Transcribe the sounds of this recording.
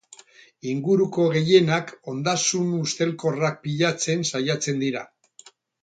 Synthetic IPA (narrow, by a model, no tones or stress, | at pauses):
iŋɡuɾuko̞ɣ̞e̞je̞nako̞nd̪asunust̪e̞lko̞rak̚piʎat͡se̞nsajat͡se̞nd̪iɾa